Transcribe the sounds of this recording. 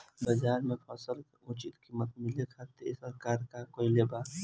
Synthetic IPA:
bəd͡ʒaːɾmẽpʰasəl | ʊt͡ʃɪt̪kiːmːət̪mɪlekʰat̪esəɾkaːɾkakoːileba

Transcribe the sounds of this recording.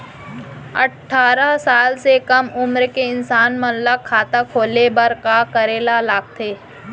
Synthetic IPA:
ɐ̰ʈʰːaːɾasaːlsekəmʊmɾkeɪnsaːnmənləkʰːaːt̪akʰoːlebəɾkakəɾeːlalaːɡ̚t̪ʰeː

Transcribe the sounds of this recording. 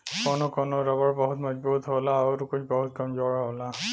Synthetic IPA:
kɔnɔkɔnɔɾabɔɹbɔɦutmad͡ʒbɔutɦɔlaːuɾukut͡ʃbɔɦut̚kɔmzɔɹɦɔla

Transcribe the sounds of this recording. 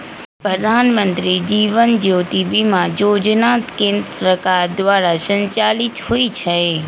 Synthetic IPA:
pɾəd̪ʱaːnmə̃nt̪ɾid͡ʒiːʋənd͡ʒoːt̪ibimãjoːd͡ʒnaːt̪kẽːnd̪ɾəsəkaːɾd̪ʋaːɾasə̃ɲt͡ʃaːlit̪huit͡ʃʰe

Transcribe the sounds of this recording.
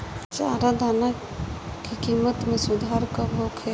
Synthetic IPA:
t͡ʃa̰ːɾad̪ʱana | kikimət̪mẽsʊd̪ʱaɾkəbʱoːkʰɛ

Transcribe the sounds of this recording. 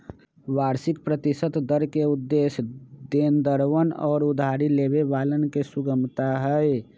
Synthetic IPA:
ʋaːɾsɪkpɾət̪isət̪d̪əɾkeud̪ːeːsd̪eːnd̪əɾwənɔ̰ːɾʊd̪ʱaɾileβeʋaːlənkesuɡəmt̪aɦəe

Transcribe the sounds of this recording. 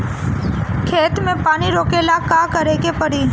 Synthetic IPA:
kʰeːt̪mẽpaːniɾoːkelakakəɾeːkepɐɽiː

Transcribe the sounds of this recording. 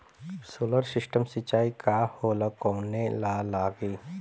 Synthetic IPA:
soːləɾsɪsʈəmsɪt͡ʃːaːikahoːləkɔːnelaːlaːɡiː

